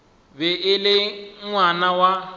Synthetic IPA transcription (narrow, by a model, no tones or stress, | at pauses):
bɛʔɪlɪŋwanawa